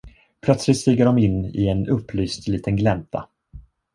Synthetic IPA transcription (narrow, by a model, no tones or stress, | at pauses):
pʰlœt̪slɪt̪st̪iːɡəɖɔmɪnːɪ̰ɛnɵpːlyːst̪liːt̪ənɡlɛnt̪ʰa̰